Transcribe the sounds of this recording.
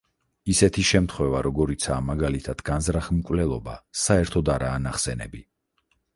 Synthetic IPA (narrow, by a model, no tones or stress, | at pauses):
isɛt̪ʰiʃɛmt̪ʰχwɛvaɾɔɡɔɾit̪sʰaːmaɡalit̪ʰad̪̥ɡanzɾaχmkʼwvlɛlˠɔba̰saɛɾt̪ʰɔd̪aɾaːnaχsɛnɛ̰bi